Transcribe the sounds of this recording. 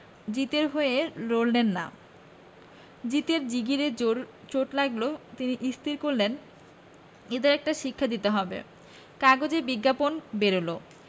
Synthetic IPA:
d͡ʑit̪eɾɦoeeɾoɾlenːa̰ | d͡ʑit̪eɾd͡ʑiɡiɾeɾt͡ɕoʈlaɡlot̪iniʔist̪iɾkoɾlen | ed̪eɾɛk̚ʈaʃikʰːad̪it̪eɦɔbḛ | kaɡod͡ʑebiɡːaponbeɾolo

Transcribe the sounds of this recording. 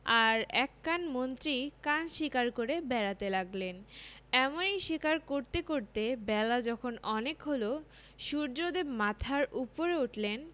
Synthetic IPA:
aɾɛkːanmont̪ɾikanʃikaɾkoɾebɛɾat̪elaɡlenɛmonejʃikaɾkoɾt̪ekoɾt̪ebɛlad͡ʑɔkʰonɔnekɦolo | ʃuɾd͡ʑod̪ebmat̪ʰaɾupoɾeuʈlen

